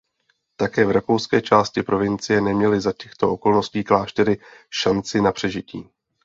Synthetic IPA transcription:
t̪akɛːvɾakowskɛːt͡ʃaːscɪpɾo̞vɪnt͡sɪjɛnɛmɲɛlɪzacɛxt̪o̞ʔo̞ko̞lno̞sciːklaːʃt̪ɛɾɪʃant͡sɪnapr̥ɛʒɪcḭː

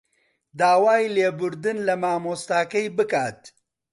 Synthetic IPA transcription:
d̪aːwaːjleːbʊɾd̪ɨnlɐmaːmoːst̪aːkɐjbɨkaːt̪

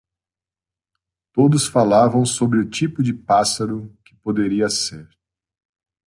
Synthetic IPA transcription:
t̪od̪ʊsfalavɐ̃w̃sobɾɪʊt͡ʃipʊd͡ʒɪpasaɾʊkɪ̥pod̪eɾiɐseɾ

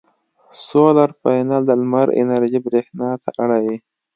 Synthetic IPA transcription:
solaɾfajnald̪əlmaɾɪ̰naɾʒibɾehnɑt̪a̰ʔaɽawi

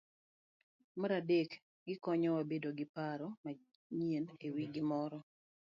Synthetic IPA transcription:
maɾadek | ɡɪkɔɲɔwabedoɡɪpaɾɔma | ɲienewiɡɪmɔɾɔ

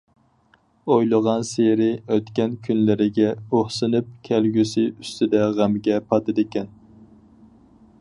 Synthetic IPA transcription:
ojlˠəʁɑnseɾɪøt̪kʲɛnkʲʰynlɪɾɪɡʲɛoχsɨnɨp̚kʲʰælɡʲysɪyst̪ʰɪd̪ɛʁæmɡʲɛpʰɑt̪ɨd̪ɪkʲɛn

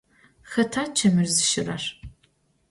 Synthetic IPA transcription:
xɐtʰaːt͡ʃʰɐmɨrzɨʃɪrɐ̰r

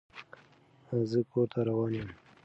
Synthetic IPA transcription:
zəkoɾt̪ʰaɾawɑːnjəm

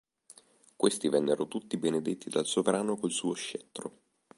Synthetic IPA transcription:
kwest̪ivɛnːeɾot̪ut̪ːibened̪et̪ːid̪alsovɾaːnokolsuːoʃːɛt̪ːɾo̰

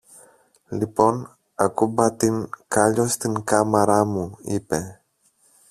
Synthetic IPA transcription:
lipo̞n | ɐkubat̪inkaʎost̪iŋkamɐɾamuipe̞

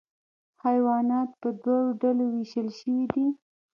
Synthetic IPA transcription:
hajwɑnɑt̪pəd̪waɽoɖalowiʃəlʃəwid̪i

